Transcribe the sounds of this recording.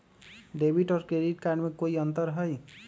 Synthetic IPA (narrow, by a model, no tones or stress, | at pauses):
ɖebʱiʈɔɾkɾeɖiʈ̚kaɖmekoiʌnt̪ʌɾɦʌj